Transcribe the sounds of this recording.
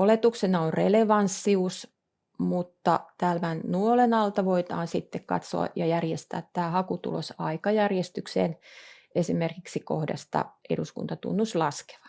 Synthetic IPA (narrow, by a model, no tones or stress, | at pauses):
olet̪uksenɑonreleʋɑnsːius | mut̪ːɑ̰t̪æːlmænnuolenɑlt̪ɑʋoit̪ɑːnsit̪ːekkɑ̰t̪so̰ɑ̰jɑjærjest̪æ̰ːt̪tæːhɑkut̪ṵlosɑikɑjærjest̪yksḛːn | esimerkiksikohdɑ̰st̪ɑ̰ʔḛɾuskṵnt̪ɑt̪ṵnːuslɑske̥ʋɑ̥